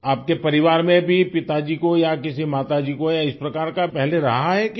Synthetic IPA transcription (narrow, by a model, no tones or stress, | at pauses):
aːp̚kepɐɾɪʋaːɾmẽbʱipɪt̪ad͡ʒiːkojakɪsimaːt̪ad͡ʒiːkojaɪspɾɐkaːɾkapɛɦleɾɐ̰ɦaɦɛk